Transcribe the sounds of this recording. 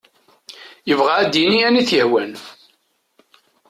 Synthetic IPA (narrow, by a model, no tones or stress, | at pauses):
jəvʁaæd̪jiniæniθjəhwæn